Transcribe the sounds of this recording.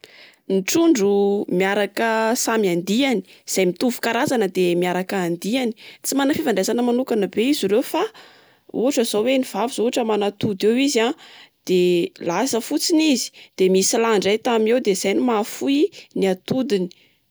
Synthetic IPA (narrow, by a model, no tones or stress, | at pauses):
niʈ͡ʂuɳɖ͡ʐumiaɾakəsamiand̪iani̥z̥ajmit̪uvu̥kaɾazanəd̪emiaɾakəːnd̪iani̥t͡simanafivaɳɖ͡ʐazanəmanukanəbeiziɾewfa | ṵaʈ͡ʂəzoweniv̥aviz̥ouaʈ͡ʂəmanat̪ud̪ewizad̪̥elasəfut͡sinizi̥d̪̥emisilaɳɖ͡ʐajt̪amiewd̪ez̥ajnimafuiniat̪ud̪ini̥